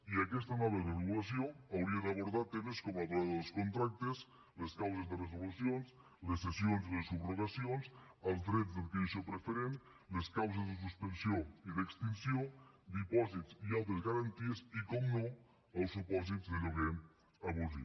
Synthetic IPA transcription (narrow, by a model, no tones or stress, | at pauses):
iakɛst̪anaβeðereɣulas̬joŋawɾiaðaβoɾð̞aɾt̪emeskomaβoɾaðeðlskont̪ɾak̚t̪es | leskawsezðeres̬olusjons | lesesjonziðesuβroɣ̞asjonsalˠzðɾet̪zðelkeiʃopɾefeɾen | leskawsezðes̬uspensjoiðekst̪insjod̪ipɔsit̪siawt̪̬ezɣaɾant̪iesikomno | alˠsupɔs̬it̪zðeloɣ̞en | aβuzḭ